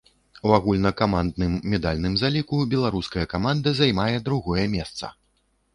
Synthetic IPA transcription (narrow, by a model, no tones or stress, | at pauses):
waɣulʲnɐkamand̪nɨmːʲɛd̪alʲnɨmzalʲikubʲɛlˠaɾuskɐjɐkamand̪ɐzajmajɛd̪ɾuɣɔjɛmʲɛst̪sɐ̰